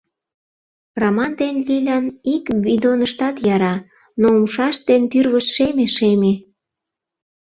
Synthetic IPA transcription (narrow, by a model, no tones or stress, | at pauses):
romɑnd̪enlilʲænikβid̪onəʃt̪ɑt̪jɑɾɑ | noumʃɑʃt̪̚d̪ent̪yrβəʃʃemeʃeme